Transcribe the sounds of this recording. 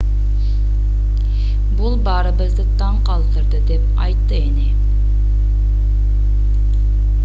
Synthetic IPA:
bulˠbɑɾəbəzɨt̪ːɑɴqʰɑlˠt̪ɨɾd̪ɨd̪ɛp̚ | ɑ̰jt̪ːəenɪ

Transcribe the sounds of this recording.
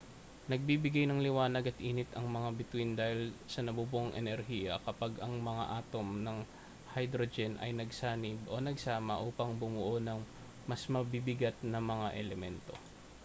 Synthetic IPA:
nɐɡ̚bibɪɡajnɐŋlɪwaːnɐɡɐt̪̚ʔiːnɪt̪ɐŋmɐŋabɪt̪wind̪aːhɪlsɐnɐbuːbuʔŋʔɛ̰nɛɾhiːjɐ̰kɐpaɡɐŋmɐŋa̰ʔaːt̪o̞mnɐŋ | hɐjd̪ɾod͡ʒɛnʔɐ̰jnɐɡsaːnɪbʔo̞nɐɡsaːmɐ̰ʔuːpɐŋbʊmʊʔonɐŋ | mɐsmɐbibɪɡat̪̚nɐmɐŋaʔɛlɛmɛnt̪o̞̰

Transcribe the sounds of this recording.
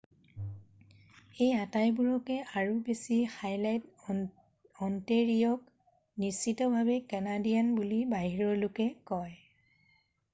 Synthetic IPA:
ejatajbuɹɔkɛʔaɹubesixajlajt | ɔnteɹijɔk | nisːitɔbʱabɛkɛnadijanbulibaɦiɹɔɹlʊkɛkɔj

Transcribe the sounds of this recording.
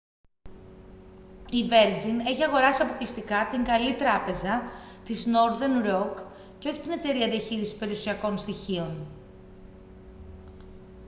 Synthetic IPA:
ive̞ɾd͡zine̞çiɐɣo̞ɾɐsiɐpoklist̪ikɐt̪iŋɡɐlit̪ɾɐpe̞zɐ | t̪izno̞ɾðe̞nɾo̞k | ceo̞çi̥t̪ine̞t̪e̞ɾiɐðiɐçiɾisi̥spe̞ɾiusiɐko̞nst̪içio̞n

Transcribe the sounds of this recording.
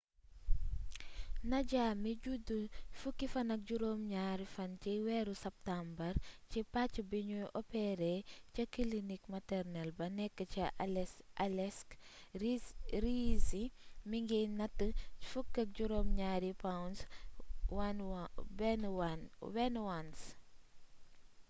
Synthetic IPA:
nɐɟamiɟudufukːifɐnɐk̚ɟuɾoːmɲaːɾifɐnt͡ʃiwɛɾusɐp̚tambɐɾcipat͡ʃːibiɲujʔɔpɛɾɛcɐkilinikmɐtɛɾnɛlbɐnɛkːət͡ʃi | lɛsk | ɾizimiŋɡinɐtːəfukːɐk̚ɟuɾoːmɲaːɾipawns | wanbɛnwanwɛnwans

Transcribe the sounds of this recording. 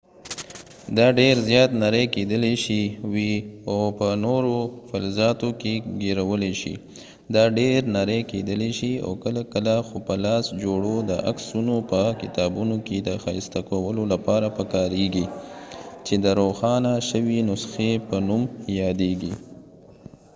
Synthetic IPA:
d̪ɑɖeɾzjɑt̪naɾəjked̪əleʃiwiapənoɾofalzɑt̪okeɡeɾawəleʃḭ | d̪ɑɖeɾnaɾəjked̪əleʃia̰wkəlakəlaxopəlɑsd͡ʒoɽod̪əʔa̰ksunopəkɪt̪ɑbunoked̪əxɑist̪akawəlolapɑɾapəkɑɾeɡi | t͡ʃed̪əɾoxɑnaʃəwinʊsxepənumjɑd̪eɡi

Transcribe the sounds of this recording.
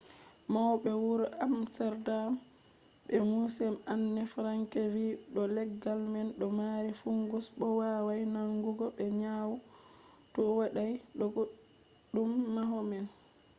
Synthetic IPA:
mawɓɛwuɾamsɛɾdam | bɛmusɛmanːɛfɾaŋkɛviɗɔlɛɡːalmɛnɗɔmaːɾifuŋɡusɓɔwaːwajnaŋɡuɡɔɓɛɲaːwu | tɔwaɗajɗɔɡoɗ | ɗːumːaɦɔmɛn

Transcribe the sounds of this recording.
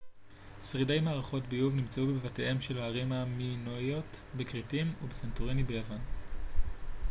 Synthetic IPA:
sʁidejmaːʁaχo̞tbijuvnimt͡seubevate̞he̞mʃelaʁimaminojo̞tbekʁitimubesentoʁinibe̞javan

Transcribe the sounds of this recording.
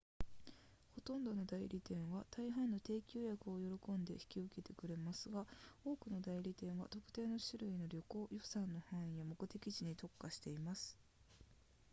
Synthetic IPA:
ho̞t̪õ̞nd̪o̞no̞d̪aiɾʲit̪ẽ̞ɰ̃βat̪ʰaiɦãnːo̞t̪e̞ːkʲoːjakɯ̟ojo̞ɾo̞kõ̞nd̪e̞çi̥kʲiɯ̟ke̞t̪e̞kɯ̟ɾe̞masɨɡao̞ːkɯ̟no̞d̪aiɾʲit̪ẽ̞ɰ̃βa̰t̪o̞kɯ̟̥t̪e̞ːno̞ɕiɾɯ̟ino̞ɾʲo̞ko̞ːjo̞sãnːo̞hãɰ̃ĩjamo̞kɯ̟t̪e̞kʲiʑiɲ̟it̪o̞kːaɕi̥t̪e̞imasɨ̥

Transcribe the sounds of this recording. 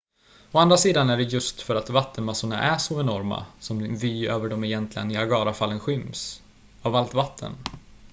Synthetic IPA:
ɔand̪ɾasiːd̪anævɪjɵst̪fœɾat̪vat̪ːənmasʊɳa̰ʔæʂɔɛnɔɾma̰sɔmd̪vyːøːvəɖɔmɛjɛnt̪ʰlɪɡənɪaɡɑːɾafalːənɧʏms | avalt̪vat̪ʰːə̰n

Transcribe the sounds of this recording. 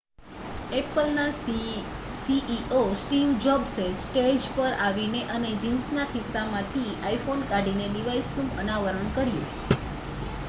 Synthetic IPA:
epəlna | siʔiʔosʈimd͡ʒɔbsesʈed͡ʒpəɾaʋineʔəned͡ʒinsnakʰɪsːamãt̪ʰiaifonkaɖineɖiʋajsnũʔənaʋəɾəɳkəɾjṵ̃

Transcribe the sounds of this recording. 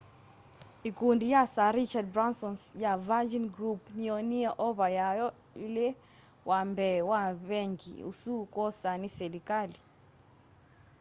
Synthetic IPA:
ikundijasaɾit͡ʃad̚bɾansɔnsjavad͡ʒinɡɾupnioniaʔɔβajajɔ | ile | wambɛwaβɛŋɡḭṵsukɔsanisɛlikali

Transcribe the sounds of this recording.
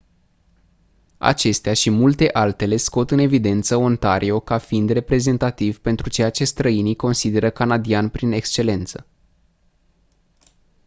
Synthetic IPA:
a̰t͡ʃe̞st̪eaʃimult̪e̞ʔalt̪e̞le̞sko̞t̪ɨne̞vid̪e̞nt̪səo̞nt̪aɾʔio̞kafind̪re̞pɾe̞ze̞nt̪at̪ivpe̞nt̪ɾut͡ʃe̞jat͡ʃe̞st̪ɾəiniko̞nsid̪e̞ɾəkanad̪ianpɾine̞kst͡ʃe̞le̞nt̪sə̥

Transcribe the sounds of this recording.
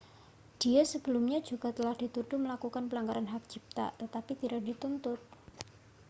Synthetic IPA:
d̥iasəbəlʊmɲad͡ʒuɡat̪əlahd̥it̪uɖʊməlakukanpəlaŋɡaɾanɦak̚d͡ʒip̚t̪a̰t̪ət̪apit̪iɾak̚dit̪unt̪ʊt̪̚

